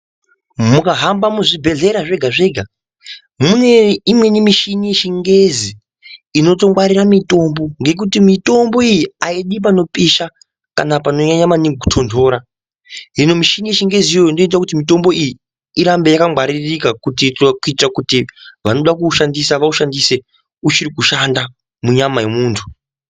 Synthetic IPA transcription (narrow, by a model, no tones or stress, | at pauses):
mukaɦambamuʐibʱe̞ɮe̞ɾaʐe̞ɡʱaʐe̞ːɡʱa | mune̞imwe̞nimiʃinieʃiŋɡe̞ziː | no̞to̞mwaɾiramito̞mbo̞ŋɡe̞k̬utimito̞mbo̞ijiaiɗip̬ano̞piʃa | ka̰napano̞ɲaɲamaniutʰo̞ndʰo̞ːɾa | ino̞miʃinieʃiŋɡe̞zijoindoit̬akutimito̞mbo̞ʔijiː | ɾambe̞jakamwaɾirikakutitkuitirakutiʋano̞ɗakuʃandisaʋauʃandise̞ | ut͡ʃiɾikuʃanda | muɲamaje̞muːntʰu̥